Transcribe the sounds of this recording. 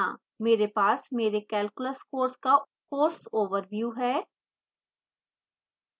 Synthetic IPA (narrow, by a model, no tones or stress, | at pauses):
ãː | meːɾepaːsmeːɾekɛːlkʊləskoːɾska | koːɾsoːʋəɾʋjuːɦɛː